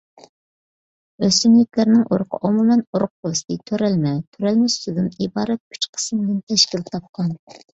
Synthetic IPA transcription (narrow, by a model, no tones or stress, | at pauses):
øsymlɪkʲlæɾnɪŋʔoɾʊqʰə̰ʔomumɛnoɾʊq̚bost̪ɨt̪ʰøɾɛlmɛt̪ʰøɾɛlmɛsyd̪ɪnibɑːɾɛt̪̚kʰʲy̥t͡ʃqʰə̥smd̪ɪnt̪ʰɛʃkʲilt̪ʰɑp̚qɑn